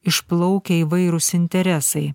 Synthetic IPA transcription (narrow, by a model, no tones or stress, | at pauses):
ɪʃplˠɐʊkʲɛiːʋɐɪɾʊsɪnʲt̪ʲɛɾʲɛsɐɪ